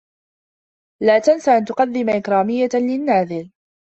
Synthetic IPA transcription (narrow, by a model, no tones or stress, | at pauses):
laːt̪ansaʔant̪ʊqɑðːɪmaʔɪkɾˤɑːmɪjːalɪnːaːðɪl